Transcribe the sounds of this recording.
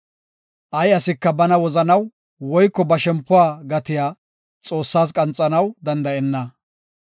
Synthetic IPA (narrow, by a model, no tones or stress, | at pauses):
ʔɐjɐsɪkːɐbɐnɐwɔzɐnɐw | wɔjkːɔbɐʃɛmpːʊwaːɡɐt̪ɪjaː | t͡sʼo̞ːsːaːs̬kʼɐnt͡sʼːɐnɐwd̪ɐnd̪ɐʔɛnːɐ